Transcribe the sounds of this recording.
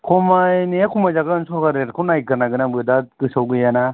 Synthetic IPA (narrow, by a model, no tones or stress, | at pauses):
kʰɔmajneakʰumajzaɡɯnsɔɾɡaɾeɾkʰɔnajkɯɾnaɡɯnaŋbɯdakɯsawɡɯjana